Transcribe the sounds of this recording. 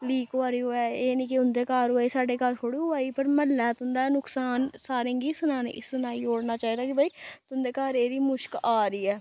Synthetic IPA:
liːkoaːɾiːoːɛːeːnĩːkɪʊnd̪eːkaːɾɦoaːiːsaːɖeːkaːɾkʰoːɽiːɦoaːiːpəɾməlːɛːt̪ʊnd̪aːnʊksaːnsaːɾẽːŋɡiːsʊnaːnḛsʊnaːiːoːɽnaːt͡ʃaːiːd̪aːkɪbaiːt̪ʊnd̪eːkaːɾeːɾiːmʊʃkaːɾiːɛː

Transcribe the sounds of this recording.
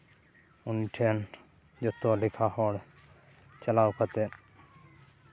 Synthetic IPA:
uniʈʰen | d͡ʑɔt̪ːolikʰaɦɔɽ | t͡ɕɛlawkʰat̪e

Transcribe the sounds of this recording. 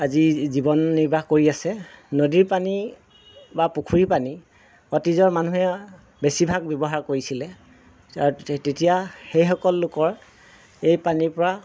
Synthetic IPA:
azizibɔnːiɹbʱaxkoɹiasɛnodiɹpani | bapukʰuɹipani | ɔtizɔɹmanuɦɛ | besibʱaɡ̚bjɔbɔɦaɹkoɹisilɛ | aɹutetijaxejxɔkɔlːʊkɔɹ | ejpanipɔɹa

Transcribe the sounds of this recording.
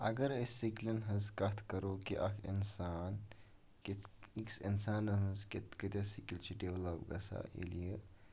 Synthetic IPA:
ɐɡɐɾəsːiklɐnɦɐskɐt̪ʰkɐɾoːkiʔɐkʰḭnsaːn | kiiksinsaːnɐɦɐsket̪kət̪ʲjasikilt͡ʃʰiɖeʋlɐpɡɐsa̰ʔḛlijə

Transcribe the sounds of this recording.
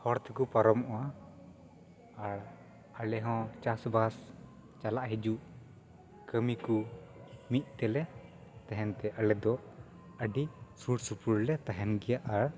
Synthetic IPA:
hɔɾt̪ʰkupaɾɔmʔɔwa | aɾ | alɛɦɔ̃t͡ʃasbas | t͡ʃalaʔɦid͡ʒuʔ | kəmiku | mit̪̚ˀt̪ɛlɛ | t̪aɦɛnt̪ɛʔalɛd̪ɔ | əɖisuɽsupuɾlɛt̪aɦɛnɡɛjaʔaɾ

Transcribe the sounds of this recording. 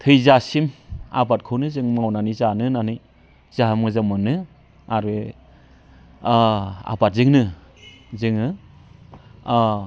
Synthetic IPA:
tʰɯjzasima̰bat̚kʰɯwnɯzɯŋmawnanijzanɯnanɯj | z̥aɦmɯzamɯnɯ | aɾe | a̰bat̚zɯŋnɯ | zɯŋɯ

